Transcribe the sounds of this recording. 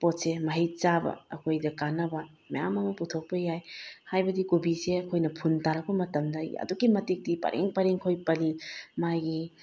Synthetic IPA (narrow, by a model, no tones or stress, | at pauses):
pot̚semɐɦijt͡ʃabɐ̰ɐkʰojdɐkanːɐbɐ | mɐjamɐmɐputʰok̚pɐjajhajbɐdikubiseɐkʰojnɐpʰuntaɾɐk̚pɐmɐtɐmdɐɐ̰duɡimɐtik̚dipɐ̰ɾʔḛŋpɐɾeŋkʰojpɐlimaɡi